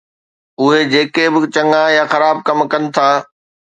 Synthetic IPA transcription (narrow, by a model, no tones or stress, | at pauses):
ʊɦed͡ʑeːkebɪt͡ɕɐŋaːjaxɐɾaːb̚kɐmkɐnɪ̆t̪ʰaː